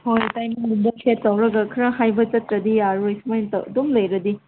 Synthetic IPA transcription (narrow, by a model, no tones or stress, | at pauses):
hojtajmiŋdundɐkʰetːɐwɾɐɡɐkʰɐɾɐhajbɐt͡ʃɐtɾɐd̪iaɾojsmajntɐ̰dumlɐjɾɐd̪i